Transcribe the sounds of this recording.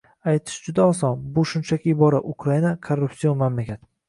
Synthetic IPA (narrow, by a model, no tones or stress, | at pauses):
ajt̪ʰɪ̥ʃd͡ʒʊd̪aɒsɒnbʊʃʊnt͡ʃʰakʲʰɪːbɒɾaʔʊkʰɾainakʰorːupsionmamlakʲʰat̪